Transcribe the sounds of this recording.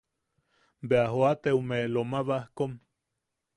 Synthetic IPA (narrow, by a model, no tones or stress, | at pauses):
beaɦoat̪eumelomaβahkom